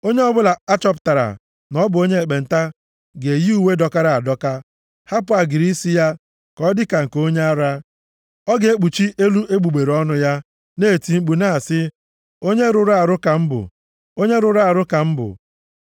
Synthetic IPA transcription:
o˦ɲe˦ɔ˦bʊ˦la˨a˦t͡ʃɔ˦pta˨ɾa̰˨ | nɔ˦bʊ˨o˦ɲe˦e˨k͡pe˨n̩˨ta˦ | ɡe˨ji˦u˨we˦dɔ˦ka˦ɾa˦˨a˨dɔ˦ka˦ | ha˦pʊ˦a˨ɡɪ˨ɾi˦si˦ja˦ | kɔ˦dɪ˦ka˨ŋ̩˨ko˦ɲe˦a˦ɾa˦ | ɔ˦ɡe˨e˦k͡pu˨t͡ʃi˦ʔe˦lu˦ʔe˦ɡ͡bu˨ɡ͡be˨ɾɔ˦nʊ˦ja˦ | neː˦˨ti˨ŋ͡m̩˦k͡pu˨na˦˨sɪ˦ | o˦ɲe˦ɾʊ˨ɾa˨ɾʊ˦ka˨m̩˦bʊ̰˨ | o˦ɲe˦ɾʊ˨ɾa˨ɾʊ˦ka˨m̩˦bʊ̰˨

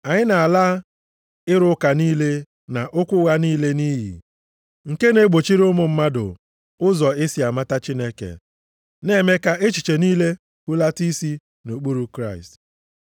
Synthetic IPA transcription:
a˨ɲɪ˦na˨a˨laː˦ | ɪ˦ɾʊ˦ka˨niː˦le˦ | na˨ʔʊ˦kʷʊ˦ɣa˦niː˦le˦ni˦ɦḭ˨ | ŋ̩˨ke˦ne˨ɡ͡bo˨t͡ʃi˦ɾʊ˦mʊ˨m̩˦ma˦dʊ̰˨ | ʊ˦zɔ˨ɪ˦si˨a˨ma˦ta˦t͡ʃi˦ne˦kḛ˨ | ne˦me˦ka˦ʔe˦t͡ʃi˨t͡ʃe˨niː˦le˦ | ku˦la˦ti˦si˦ | no˨k͡pu˦ɾu˦kɾa˦˨ɪ̰˨st

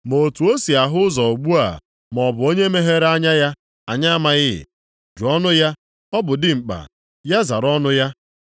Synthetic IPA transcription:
mo˨tu˨o˦si˨a˨ɦʊ˦ʊ˦zɔ˨o˨ɡ͡bu˦a̰˨ | m˨ɔ˨bʊ˨o˦ɲe˦me˦ɦe˦ɾa˦ɲa˦ja˦ | a˨ɲa˦ma˦ɣɪ˦ɪ̰˨ | d͡ʒu˨ɔ˦nʊ˦ja˦ | ɔ˦bʊ˨dɪ˦ŋ͡m̩˨k͡pa̰˨ | ja˦za˨ɾɔ˦nʊ˦ja˦

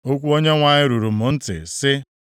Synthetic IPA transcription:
o˦kʷu˦o˦ɲe˦ŋʷa˨ɲɪ˦ɾu˨ɾu˨m̩ʊ˨n̩˦tɪ̰˨sɪ˦

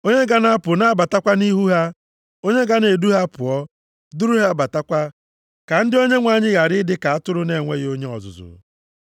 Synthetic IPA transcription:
o˦ɲe˦ɡa˦na˦a˦pʊ˨na˦a˦ba˨ta˦kʷa˦ni˦ɦu˦ɦa˦ | o˦ɲe˦ɡa˦ne˨du˦ɦa˦pʊ˨ɔ˦ | du˦ɾu˦ɦa˦ba˨ta˦kʷa˦ | ka˨n̩˦dɪ˦o˦ɲe˦ŋʷa˨ɲɪ˦ɣa˨ɾɪ˦dɪ˦ka˨a˦tʊ˦ɾʊ˦ne˨ŋʷe˦ɣo˦ɲe˦ɔ̰˨zʊ̰˨zʊ̰˨

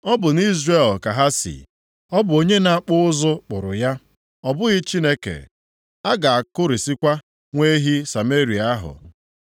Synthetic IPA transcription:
ɔ˦bʊ˨ni˦zre˦˨lka˨ɦa˦sḭ˨ | ɔ˦bʊ˨o˨ɲe˦na˨˦k͡pʊ˦ʊ˦zʊ˦k͡pʊ˨ɾʊ̰˨ja˦ | ɔ˦bʊ˦ɣɪ˦t͡ʃi˦ne˦kḛ˨ | a˦ɡa˨a˨kʊ˦ɾi˨si˦kʷa˦ | ŋʷe˦ɦi˦sa˨me˦ɾi˨a˦ɦʊ̰˨

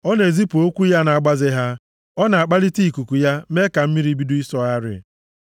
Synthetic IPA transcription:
ɔ˦ne˨zi˦pu˨o˦kʷu˦ja˦na˨a˨ɡ͡ba˦zɪ˦ɦa˦ | ɔ˦na˨a˨k͡pa˦li˦ti˦i˨ku˨ku˨ja˦me˦ka˨m̩˦mi˦ɾi˨˦bi˦du˦i˦sɔ˦a˦ɾɪ̰˨

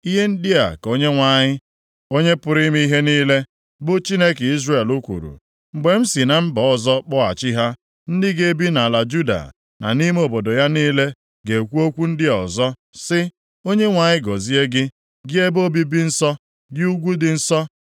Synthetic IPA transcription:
i˦ɦe˦n̩˦dɪ˦a̰˨ko˦ɲe˦ŋʷa˨ɲɪ˦ | o˦ɲe˦pʊ˨ɾi˦mi˦i˦ɦe˦niː˦le˦ | bʊ˦t͡ʃi˦ne˦ke˨i˦zre˦˨e˨lu˦kʷṵ˨ɾṵ˨ | ŋ͡m̩˨ɡ͡be˨m̩˦si˨na˨m̩˦bɔ˨˦ɔ˦zɔ˦k͡pɔ˦a̰˨t͡ʃɪ˦ɦa˦ | n̩˦dɪ˦ɡe˦bi˦na˨la˨d͡ʒu˦da̰˨ | na̰˨ni˦me˦o˨bo˨dɔ˨ja˦niː˦le˦ | ɡe˨kʷu˦o˦kʷu˦n̩˦dɪ˦ɔ̰˨zɔ˦ | sɪ˦ | o˦ɲe˦ŋʷa˨ɲɪ˦ɡɔ˨zi˦e˦ɡɪ˦ | ɡɪ˦e˦bo˦bi˦bi˦n̩˦sɔ˦ | ɡɪ˦u˦ɡʷu˦dɪ˨n̩˦sɔ˦

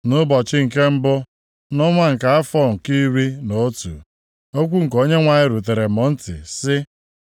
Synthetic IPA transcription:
nʊ˦bɔ˨t͡ʃɪ˦ŋ̩˨ke˦m̩˦bʊ˦ | nʊ˦ŋʷa˦ŋ̩˨ka˨˦a˦fɔ˦˨ŋ̩˨ki˦wi˦no˦tṵ˨ | o˦kʷu˦ŋ̩˨ko˦ɲe˦ŋʷa˨ɲɪ˦ɾu˨te˨ɾe˨mɔ˨n̩˦tɪ̰˨sɪ˦

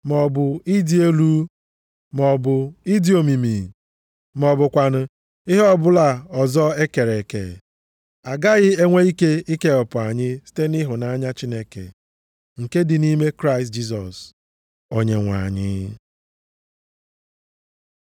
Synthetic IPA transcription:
mɔ˨bʊ˨i˦di˨e˦lu˦ | mɔ˨bʊ˨i˦di˨˦o˨mi˨mi˨ | mɔ˨bʊ˨kʷa˨nʊ˨ | ɪ˦ɦɔ˦bʊ˦la˨ɔ˨zɔ˦e˦ke˨ɾe˨kḛ˨ | a˨ɡa˦ɣɪ˦e˦ŋʷe˦i˦ke˦i˦ke˦ɔ˨pʊ˨a˨ɲɪ˦si̥˦te˦nɪ˦ɦʊ˨na˨a˦ɲa˦t͡ʃi˦ne˦kḛ˨ | ŋ̩˨ke˦dɪ˨ni˦me˦kɾa˦ɪ˨st̚d͡ʒi˦s̬ɔ˨s | o˨ɲe˨ŋʷa̰˨ɲɪ̰˦

